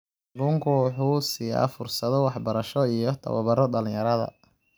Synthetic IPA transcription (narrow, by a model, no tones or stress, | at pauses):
ɾuːŋkʰʊħusiːɐ̰fʊrsɐðɔwɑħbɐɾɐʃɔijɔt̪ʰɐ̰wɐ̰βɐɾɔɖɐlɪ̃jɐɾɐðɐ̰